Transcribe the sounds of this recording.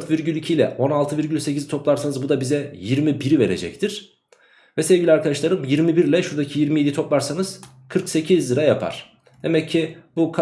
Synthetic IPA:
ɾt̪viɾɟylʲicʰilʲɛ̰ʔo̞nalˠt̪ʰɯviɾɟylʲse̞cʰizt̪ʰo̞plˠaɾsanɯzbud̪abizɛjiɾmibiɾive̞ɾe̞̰d͡ʒɛ̰ct̪ʰiɾ̥ | vɛseɛvɟilʲiaɾkad̪aʃlˠaɾɯmjiɾmibiɾlʲɛʃuɾd̪acʰijiɾmije̞d̪it̪ʰo̞plˠaɾsanɯz̥ | kʰɯɾkse̞cʰizlɯɾajapʰa̰ɾ̥ | d̪̥e̞mɛcʰːɪbukʰ

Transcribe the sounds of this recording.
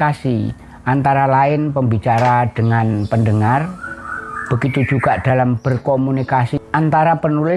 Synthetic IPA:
asi | ʔant̪aɾalaɪnpəmbit͡ʃaɾad̥əŋanpəndəŋar | b̥əɡit̪ud͡ʒuɡ̥aʔd̥alamb̥ərkomunikasiʔant̪aɾapənulɪ

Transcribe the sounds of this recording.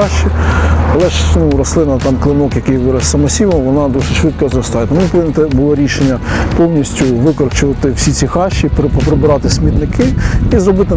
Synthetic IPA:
ɑʃːiɐlˠɛʃnuɾɔslˠɪnɐt̪ɑmklˠɪnɔkjɐkɪjʋɪɾɐssɐmɐsʲiʋɐmʋɔnɑd̪ɔsɪt͡ʃʃʋɪt̪̚kɔzɾɔst̪ɑjɛt̪ɐmunpɔʋɪnɪt̪ɛbʊlˠɔɾʲiʃenʲːɐpɔwnʲisʲtʲʊʋɪkɔɾt͡ʃʊʋɐt̪ɪwsʲisʲixɑʃːippɔpɾɪbɪɾɑt̪ɪsʲmʲit̪nɪkʰɪizɾɔbɪt̪ɪ

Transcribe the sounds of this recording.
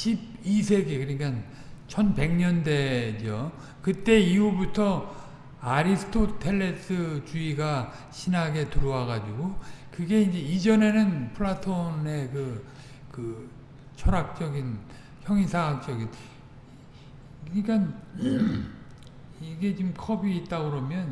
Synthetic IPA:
ɕʰibisʰe̞ɡekɯɲik͈an | t͡ɕʰʌnpe̞ŋɲʌnde̞d͡ʑo | kɯt͈e̞iubutʰʌ | aɾisʰɯ̥tʰotʰe̞ɭːes͈ʰɯt͡ɕuiɡa | ɕʰinaɡe̞tuɾowaɡad͡ʑiɡokɯɡe̞ind͡ʑe̞id͡ʑʌne̞nɯnpʰɯɭːatʰone̞kɯ | kɯ | t͡ɕʰʌɾak̚t͡ɕ͈ʌɡin | çjʌŋisʰak̚t͡ɕ͈ʌɡin | kɯnikan | iɡe̞t͡ɕimkʰʌbiːt̚t͈aɡɯɾʌmjʌn

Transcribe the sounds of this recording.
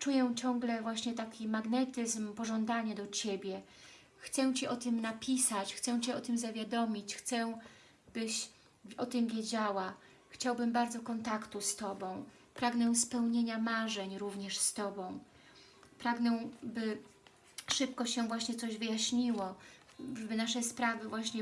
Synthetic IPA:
t͡ʂujɛt͡ɕɔ̃ŋɡlɛvwaɕɲɛt̪akʲimaɡnɛt̪ɘzmpɔʐɔnd̪aɲad̪ɔt͡ɕebʲjɛ | xt̪sɛw̃t͡ɕiʔɔt̪ɘmnapʲisat͡ɕxt̪sɛw̃t͡ɕɛɔt̪ɘmzavʲjad̪ɔmʲit͡ɕxt̪sɛ | b̥ɘɕ | ɔt̪ɘmvʲjed͡ʑawa | xt͡ɕawbɘmbaɾd̪zɔkɔnt̪akt̪ust̪ɔbɔ̃w̃ | pɾaɡnɛ̃spɛwɲeɲamaʐɛɲɾuvɲɛʂst̪ɔbɔ̃w̃ | pɾaɡnɛ̃bɘ | ʂɘp̚kɔɕɛvwaɕɲɛt̪sɔʑvɘjaɕɲiwɔ | ʐɛbɘnaʂɛspɾavɘvwaɕɲɛ

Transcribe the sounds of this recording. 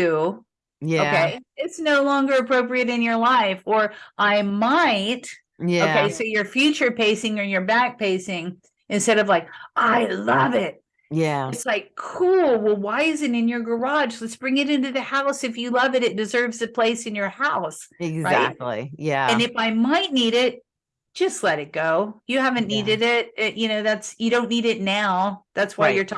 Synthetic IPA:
ʉ | jæoʊkeɪɪtsnoʊlɔ̃ŋɡə˞ɨpʰɹoʊpɹiɨɾɨ̃njə˞laɪfə˞ʔaɪmaɪt | jæoʊkeɪsoʊjə˞fjʉt͡ʃə˞pʰeɪsɪ̃ŋə˞jə˞bæk̚pʰeɪsɪ̃ŋ | ɨ̃nstɛɾʌvlaɪkʔaɪlʌvɪt̚ | jæɨtslaɪkʰulˠwəwaɪɨzɨɾɨ̃njə˞ɡə˞ɑ̥ʒlɨtsb̥ɹɪ̃ŋɨɾɪ̃ntʉðɨhaʊsɨfjɨlʌvɨɾɨt̚d̥ɨzɜ˞vzɨpʰl̥eɪsɨ̃njə˞haʊsɪɡzɹaæɪtk̚tʰˡlḭjæɨ̃nɨfaɪmaɪtⁿniɾɪt̚ | d̥ʒ̥ʌstˡlɛɾɨt̚ɡ̥oʊjɨhævɨ̃nːiɾɨɾɪt̚ɨjɨnoʊðætsjɨɾõʊ̃nːiɾɪtⁿnaʊðætswaɪjə˞tʰ

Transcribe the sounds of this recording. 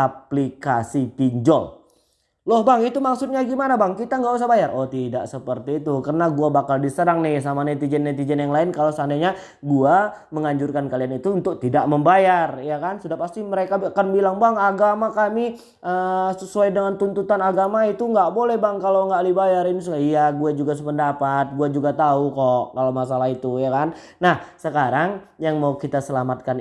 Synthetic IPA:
aplikasit̪iɲd͡ʒɔ̰l | lɔhbaŋit̪umaksut̪̚ɲaɡimanabaŋkit̪aŋɡaʔusahbajarʔot̪ida̰ʔsəpərt̪iːt̪ukərənaɡuabakaldisəɾaŋnɪhsamanet̪id͡ʒɛnːet̪id͡ʒɛnjaŋlaɪnkalosandaɲa | ɡua | məŋaɲd͡ʒʊrkankalianit̪uːnt̪ʊk̚t̪idaʔməmbajarjakansədapast̪iməɾekaakanbilaŋbaŋaɡamakami | ʔəsəsuajdəŋant̪unt̪ut̪anaɡamait̪uŋɡaʔbolɛhbaŋkaloŋɡalibajaɾinis̬əaijaɡuad͡ʒuɡas̬əpəndapat̪̚ɡuad͡ʒuɡat̪aukɔʔkalomasalaɦit̪ujakan | nahsəkaɾaŋjaŋmaukit̪asəlamat̪̚kan

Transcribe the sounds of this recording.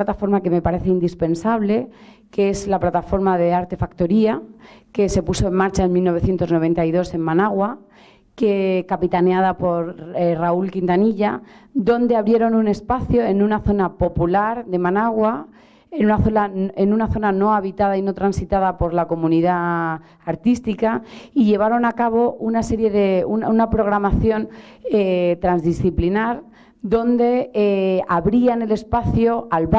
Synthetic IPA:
at̪afo̞ɾmake̞me̞paɾe̞θeind̪ispe̞nsaβ̞le̞ | kee̞zlaplat̪afo̞ɾmaðe̞aɾt̪e̞fakt̪oɾiake̞se̞puso̞e̞mmaɾt͡ʃaenmilno̞β̞e̞θje̞nt̪o̞zno̞β̞e̞nt̪aiðo̞se̞mmanaɣwa | kekapit̪aneað̞apo̞ɾraulkint̪aniʎad̪o̞nd̪e̞aβɾje̞ɾo̞nune̞spaθjo̞enunaθo̞napo̞pulaɾðe̞manaɣwa | enunaθo̞naenunaθo̞nano̞aβit̪að̞aino̞t̪ɾansit̪að̞apo̞ɾlako̞mũniðaː | ɾt̪ist̪ikaiʎe̞β̞aɾo̞nakaβ̞o̞unase̞ɾje̞ðe̞ununapɾo̞ɣ̞ɾamaθjo̞n | et̪ɾanzðisθiplinaɾ | d̪o̞nd̪e̞eaβɾiane̞le̞spaθjoalβ

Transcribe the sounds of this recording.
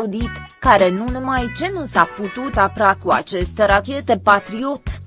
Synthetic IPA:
ud̪it̪kaɾe̞nunumajt͡ʃe̞nusaput̪ut̪apɾakua̰t͡ʃe̞st̪e̞ɾakʲe̞t̪e̞pat̪ɾio̞t̪

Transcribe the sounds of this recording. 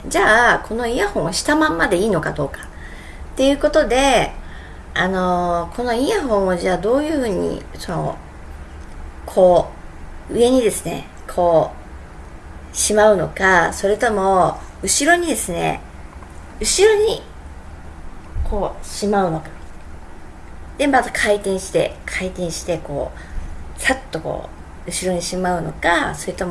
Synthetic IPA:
d͡ʑaːkʰo̞no̞ijahõɰ̃oɕi̥t̪amãmːad̪e̞iːno̞kad̪o̞ːkḁ | t̪ːe̞jɯ̟ːko̞t̪o̞d̪e̞ | ano̞kʰo̞no̞ijaɦõ̞ɰ̃oʑaːd̪o̞ːjɯ̟ːɸɯ̟ːɲ̟ḭso̞no̞̰ | kʰo̞ː | ɯ̟e̞ɲ̟id̪e̞sɨne̞̰ | kʰo̞ː | ɕimaɯ̟no̞kaso̞ɾe̞t̪o̞mo̞ɯ̟ɕiɾo̞ɲ̟id̪e̞sɨne̞̰ | ɯ̟ɕiɾo̞ɲ̟i | kʰo̞ːɕimaɯ̟no̞kḁ | d̪̥e̞mat̪akʰait̪ẽ̞ɰ̃ɕi̥t̪e̞̰kʰait̪ẽ̞ɰ̃ɕi̥t̪e̞ko̞̰ː | sat̪ːo̞ko̰ː | ɯ̟ɕiɾo̞ɲ̟iɕimaɯ̟no̞̰kaso̞ɾe̞t̪o̞mo

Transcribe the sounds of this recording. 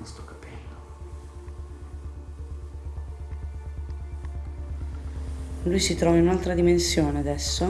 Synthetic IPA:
ɔst̪okḁpɛlːo | lujsit̪ɾɔːvainunalt̪ɾad̪imensjoːnead̪ɛsːo

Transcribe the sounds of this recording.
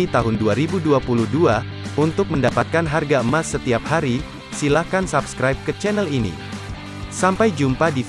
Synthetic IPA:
it̪aɦʊnduaɾibuduapuluhdua | unt̪ʊk̚məndapat̪̚kanɦarɡaəmasːət̪iap̚haɾi | silahkansapskɾajp̚kət͡ʃɛnəlinḭ | sampajd͡ʒumpadif

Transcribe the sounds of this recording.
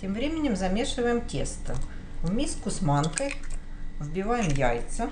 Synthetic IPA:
tʲemvɾʲemʲɪnʲɪmzɐmʲeʂɨvəjɪmtʲḛst̪ɨ | vmʲiskʊsmankəj | vbʲɪvajɪmjajt̪sə

